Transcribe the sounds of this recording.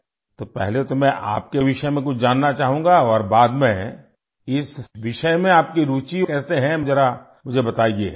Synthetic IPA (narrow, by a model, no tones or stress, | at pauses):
t̪opɛ̰ɦlet̪omɛ̃ʔa̰ːp̚keʋɪʃəmẽkʊt͡ʃʰd͡ʒaːnːat͡ʃaːɦũːŋɡaɔːɾbaːd̪mɛ̃ | ɪsʋɪʃəemẽaːp̚kiɾuːt͡ʃikɛːseɦɛ̃mʊd͡ʒɛɾa | mʊd͡ʒʱebɐt̪aːiḛː